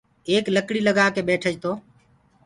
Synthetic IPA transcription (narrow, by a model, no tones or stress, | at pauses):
eːkləkɽiːləɡaːkeːɓeːʈʰəd͡ʒt̪oː